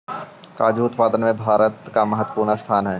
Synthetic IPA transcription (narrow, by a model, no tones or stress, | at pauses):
kaːd͡ʒuʊt̪paːd̪ənmẽbʱaːɾət̪kamɐɦət̪wə̥puːɾnast̪ʰaːnɦɛː